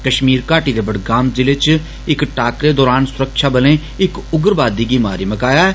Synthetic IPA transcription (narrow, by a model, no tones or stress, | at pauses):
kəʃmiːɾkaːʈiːd̪eːbəɽɡaːmd͡ʒɪlet͡ʃ | ɪkʈaːkɾeːd̪ɔːɾaːnsʊɾəkʃaːbəlẽː | ɪkʊɡəɾbaːd̪iːɡiːmaːɾiːməkaːjaː